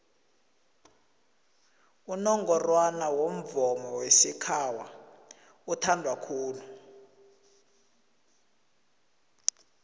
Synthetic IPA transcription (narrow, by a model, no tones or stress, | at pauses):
unɔŋɡɔrwanawom̩vɔmɔwesikʰawa | utʰandʱwakʰuːlu